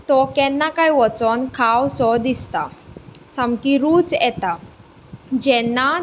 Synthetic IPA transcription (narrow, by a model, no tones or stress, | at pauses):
t̪ɔkɛnːakaiʋɔt͡sɔnkʰawsɔd̪ist̪a | samkiɾuːt͡sjɛt̪a | d͡ʑɛnːa